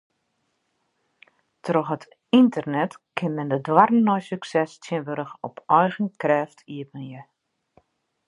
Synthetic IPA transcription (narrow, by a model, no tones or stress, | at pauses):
trɔxɦət | intərnɛtkʰɪnmɛndədwarn̩ːɔjsyksɛstʰjɪənʋøɾəxɔpɔjɣən̩krɛːftʰiəpənjə